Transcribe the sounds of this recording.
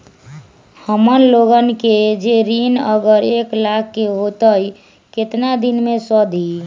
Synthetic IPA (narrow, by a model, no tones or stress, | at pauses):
həmənloɡənked͡ʒeɾinəɡəɾeklakʰːeɦot̪əi | ket̪nad̪inmesəd̪ʱi